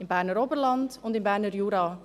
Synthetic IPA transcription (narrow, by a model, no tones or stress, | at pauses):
ɪnbaːrnəɾɔbərlɑntɔntɪnbaːrnərjuːɾa